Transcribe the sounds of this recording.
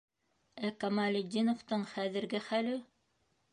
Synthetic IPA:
ækɑmɑlʲed̪ʲːinŏft̪ɤɴχæðɘ̆ɾɡɘχælɘ

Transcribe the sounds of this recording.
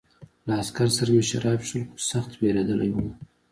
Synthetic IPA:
laaskaɾsaɾameʃaɾɑpʃəlxosaxt̪beɾad̪əla̰jwum

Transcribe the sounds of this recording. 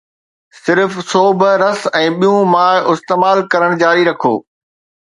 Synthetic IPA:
sɪɾfsoːbɾɐsɛ̃ːɓijũmaːɪst̪eːmaːlkɐɾəɽ̃d͡ʑaːɾiɾɐkʰo̰ː

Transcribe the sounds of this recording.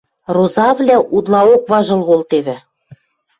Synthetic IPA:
rozɑvlʲæʔud̪lɑokβɑʒɤ̆lˠɣolt̪eβɘ̆

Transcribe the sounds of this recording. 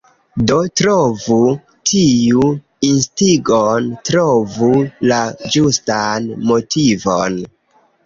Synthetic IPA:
do̞tɾovu | tʰiju | instiɡontɾovulad͡ʒustanmo̞tʰivo̰n

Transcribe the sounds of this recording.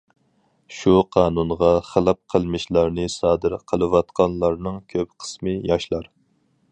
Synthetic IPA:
ʃuqʰɑːnunʁɑχəlˠɑp̚qʰəlˠmɨʃlˠɑɾnɨsɑːd̪ɨɾqʰəlˠɨwɑt̪qʰɑnlˠɑɾnɨŋkʲʰøpqʰə̥smɨjɑʃlˠɑɾ

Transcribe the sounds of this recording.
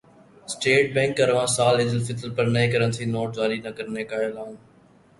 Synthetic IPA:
sʈeːʈ̚bɛ̃ːŋkɐɾʋãːsaːlɪd̪ɪlfɪt̪əlpɐɾnɐĩːkəɾənt̪ʰiːnoːʈ̚d͡ʒaːɾinɐkɐɾnekaːolaːũː

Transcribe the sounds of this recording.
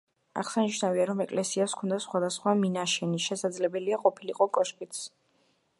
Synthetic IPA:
a̰χsaniʃnaviaɾɔmɛkʼlɛsiaskʰɔnd̪asχwad̪asχwaminaʃɛniʃɛsad̪zlɛbɛliaqʼɔpʰiliqʼɔkʼɔʃpʼit̪s

